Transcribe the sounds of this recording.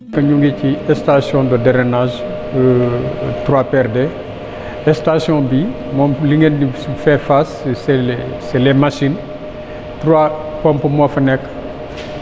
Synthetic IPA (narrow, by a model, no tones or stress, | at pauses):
kɐɲuŋɡeciɛstasjɔ̃dɔdɛɾɛnaʒ | tɾwapɛɾdɛ | ɛstasjɔ̃bi | mɔmliŋɡendifɛfassɛsɛlɛmaʃin | tɾwapɔmpəmɔfɐnɛkː